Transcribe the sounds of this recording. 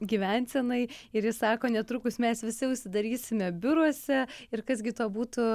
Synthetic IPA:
ɡʲiːʋʲɛnʲsʲɛnɐɪɪɾjɪsɑːkoːnʲɛt̪ɾʊkʊsmʲɛsʋʲɪsʲɪʊʃʲsʲɪd̪ɐɾʲiːsʲɪmʲɛbʲʊɾuɔsʲɛɪɾkɐzɡʲɪt̪uːbuːt̪ʊ

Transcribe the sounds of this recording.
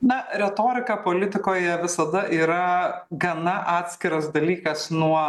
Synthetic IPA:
nɐɾʲɛt̪oːɾʲɪkɑpoːlʲɪt̪ʲɪkoːjɛʋʲɪsɐd̪ɐʔiːɾɐɡɐnɐʔɑːt̪ʲsʲkʲɪɾɐsd̪ɐlʲiːkɐsnuɔ

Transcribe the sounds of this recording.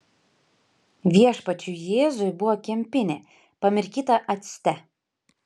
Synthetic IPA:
ʋʲiɛʃpɐt͡ʃʲujeːzʊjbʊʋɔkʲɛmʲpʲɪnʲe | pɐmʲɪɾʲkʲiːt̪ɐʔɐt̪ʲsʲt̪ʲɛ

